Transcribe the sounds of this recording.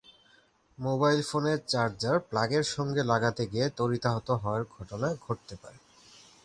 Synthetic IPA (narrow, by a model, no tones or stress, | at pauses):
mobajlfoneɾt͡ɕaɾd͡ʑaɾplaɡeɾʃɔŋɡelaɡat̪eɡiet̪oɾit̪aɦot̪oɦɔaɾɡʱɔʈonaɡʱoʈ̚t̪epa̰ɾe